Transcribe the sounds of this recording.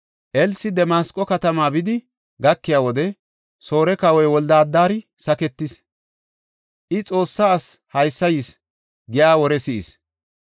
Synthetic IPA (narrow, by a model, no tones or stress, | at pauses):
ʔɛlsɪd̪ɛmaːskʼːɔkɐt̪ɐmaːbɪd̪ɪ | ɡɐkːɪjaːwɔd̪ɛ | so̞ːɾɛkɐwɔjwɔld̪aːd̪ːaːɾɪsɐkɛt̪ːɪs | ʔɪt͡sʼo̞ːsːaːshɐjsːɐjɪs | ɡɪjaːwɔɾɛsɪʔɪ̰s